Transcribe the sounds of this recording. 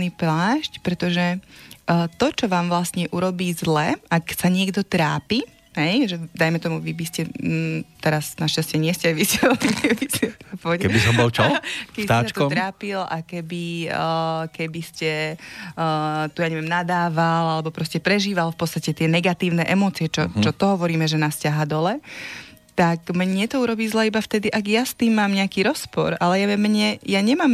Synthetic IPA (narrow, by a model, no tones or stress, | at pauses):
niplaːʃcpɾɛt̪ɔʒɛ | t̪ɔt͡ʃɔʋaːmʋlast̪ɲɛʔuɾɔbiːzlɛaksaɲɪɛɡd̪ɔt̪ɾaːpi | ɦɛjʒɛd̪ajmɛt̪ɔmuʋibiscɛ | t̪ɛɾasnaʃcascɪɛɲɪɛscɛajʋiscɛɔlikɛbiscɛpɔʋɛɛkɛisɔmbɔlt͡ʃɔkɛbit̪aːsat͡ʃk̪ɔt̪ɾaːpila̰kɛbi | kɛbiscɛ | t̪ujaɲɛʋɪɛmnad̪aːʋalalɛbɔpɾɔscɛpɾɛʒiːʋalfpɔtt͡st̪acɛt̪ɪɛnɛɡat̪iːʊnɛʔɛmɔːt͡siɛt͡ʃɔt͡ʃɔt̪ɔɦɔʋɔɾiːmɛʒɛnascaɦaːd̪ɔlɛ | t̪akmɲɛt̪ɔuɾɔbiːzlɛːibaft̪ɛd̪iʔaɡjast̪iːmːaːmɲɛakiːɾɔspɔ̰ɾalɛjaʋɛmɲɛjaɲɛmaːm